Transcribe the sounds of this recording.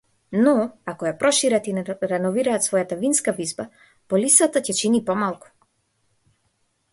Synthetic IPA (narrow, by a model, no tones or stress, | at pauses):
nɔakɔjapɾɔʃiɾat̪inɾɛnɔviɾaːt̪svɔjat̪avinskavizba | pɔlisat̪acɛt͡ʃinipɔmalˠku̥